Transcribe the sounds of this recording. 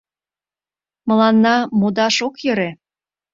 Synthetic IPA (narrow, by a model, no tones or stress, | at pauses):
mɤ̆lɑnːɑmod̪ɑʃokjɤ̆ɾe